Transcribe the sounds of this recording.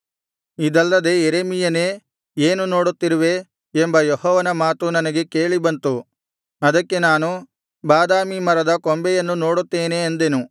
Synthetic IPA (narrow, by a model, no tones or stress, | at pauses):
id̪ɐlːɐd̪e̞jeɾemijɐne̞ː | eːnuno̞ːɽut̪ːiɾuʋe̞ː | mbɐjohɔːʋɐnɐmaːt̪unɐnɐɡe̞ke̞ːɭibɐnt̪u | ɐd̪ɐkːe̞naːnu | baːd̪aːmimɐɾɐd̪ɐkɔmbɛjɐnːuno̞ːɽut̪ːeːneːnd̪e̞nu